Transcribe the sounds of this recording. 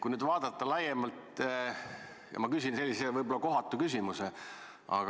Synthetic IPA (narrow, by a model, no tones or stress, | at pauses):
kujnyːd̪vɑːd̪̥ɑt̪ːˑɑlæjemɑlt̪ | jɑ̰mɑkysʲinse̞lːisevɤjbolɑko̞ɦɑt̪ːˑukysʲimuse | ɑ̰ɡɑ